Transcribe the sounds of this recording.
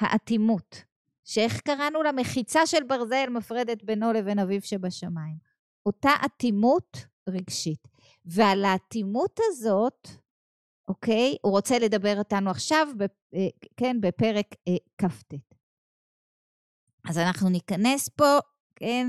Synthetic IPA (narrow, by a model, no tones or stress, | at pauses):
ha̰ʔatimut | ʃee̞χkaʁanulame̞χit͡saʃe̞lbaʁze̞lmafʁe̞detbeno̞leve̞navivʃebaʃamaim | ʔo̞taʔatimut | ʁiɡʃit | vealaːtimuthazo̞t | ʔo̞ke̞juʁo̞t͡sele̞dabe̞ʁotanuaχʃavbe | ke̞nbe̞pe̞ʁekːaftet | ʔazanaχnunikane̞spo̞ | kʰen